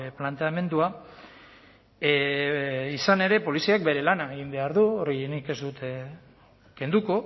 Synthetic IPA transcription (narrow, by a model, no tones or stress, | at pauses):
plant̪eame̞nd̪ua | isane̞ɾe̞po̞lisiak̚be̞ɾe̞lanaeɣimbe̞aɾðuorinike̞zd̪ut̪e | ke̞nd̪uko̞